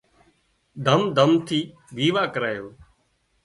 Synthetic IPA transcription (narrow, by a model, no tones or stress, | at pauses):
d̪ʱəmd̪ʱəmt̪ʰiː | ɡiːʋaːkəɾaːjoː